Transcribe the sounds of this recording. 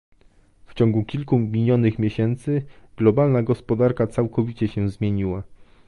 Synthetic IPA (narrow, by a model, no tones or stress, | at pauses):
ft͡ɕɔ̃ŋɡukʲilkumʲijɔnɘxmʲjeɕɛnt̪sɘɡ̥lɔbalnaɡɔspɔd̪aɾkat̪sawkɔvʲit͡ɕɛɕɛ̃zmʲjeɲiwa